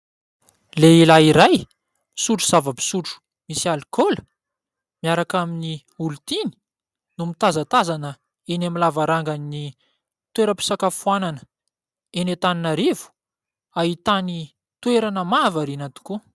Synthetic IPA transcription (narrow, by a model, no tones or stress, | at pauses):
leilaiɾaj | suʈ͡ʂu̥z̥avəbi̥suʈ͡ʂu̥ | misialikolə̥ | miaɾakamini | ult̪ini̥ | numit̪azat̪azanə | enamilavaɾaŋɡanini | t̪weɾəpi̥sakafuananə̥ | enet̪aninaɾivu̥ | aɦit̪ani | t̪weɾanəmavaɾinat̪u̥ku